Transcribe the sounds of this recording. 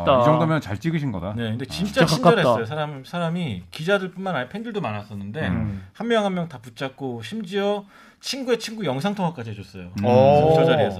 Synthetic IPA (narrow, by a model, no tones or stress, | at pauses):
id͡ʑʌŋddomjʌnt͡ɕaɭt͡ɕ͈iɡɯɕʰinɡʌdane̞kɯnde̞t͡ɕint͡ɕ͈at͡ɕinʌɦss͈ʌosʰaɾamsʰaɾamikid͡ʑadɯɭp͈unmanaɭpʰendɯɭdomanas͈ʌnːɯnde̞hammjʌŋɦamjʌŋtaput͡ɕ͈ak̚k͈oɕʰimd͡ʑiʌ | t͡ɕʰinɡue̞t͡ɕʰinɡujʌŋsʰaŋtʰoŋwak͈ad͡ʑiɦed͡ʑos͈ʌjood͡ʑʰod͡ʑaɾiesʰʌ